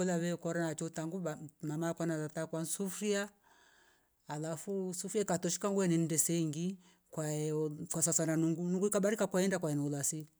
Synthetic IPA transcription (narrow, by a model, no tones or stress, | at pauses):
ɔlaβɛkɔɾanat͡ʃɔtaŋɡuamamakwanatatakwansufɾia | lafusufiaikatɔʃi̥kaŋɡuɛnɛndɛsɛiŋɡi | kwaɛkasasananuŋɡunuŋɡuikaɓaɾikakwaɛndakwaɛnɛulasi